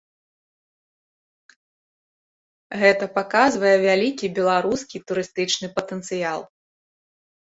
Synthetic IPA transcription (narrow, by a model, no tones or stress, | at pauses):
ɣɛt̪ɐpakazvɐjɛvʲalʲikʲibʲɛlˠaɾuskʲit̪uɾɨst̪ɨt͡ʂnɨpɐt̪ənt̪sɨjalˠ